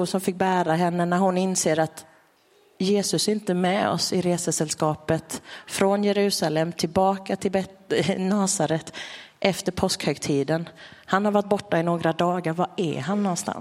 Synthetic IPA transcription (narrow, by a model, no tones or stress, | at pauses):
sɔmfɪk̚ːbæːɾaɦɛnːənæɾɦʊnɪnseːɾat̪ | jeːsɵsɪnt̪əmɛɔ̰sɪɾeːsəsɛlskɑːpət̪fɾɔnjɛɾʉ̟ːsalɛmːt̪ʰɪlbɑːkat̪ʰɪlbɛnɑːsaɾɛt̪ːʔɛft̪əɾpʰɔskhœɡt̪ʰiːd̪ənhanhaɾvaʈ̚ːbɔʈːaɪnoːɡɾad̪ɑːɡaɾvaɛ̰ɦanːɔnst̪ʰa̰ns